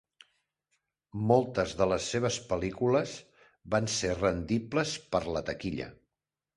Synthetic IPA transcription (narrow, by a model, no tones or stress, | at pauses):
mɔlˠt̪əzðələsːeβ̞əspəlikuləz | βanserənd̪ipləspəɾlət̪əkiʎə̰